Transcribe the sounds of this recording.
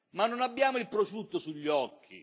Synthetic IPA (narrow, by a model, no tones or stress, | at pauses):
manːonabːjaːmʊilpɾofɾut̪ːʊsuʎːɔkʰːḭ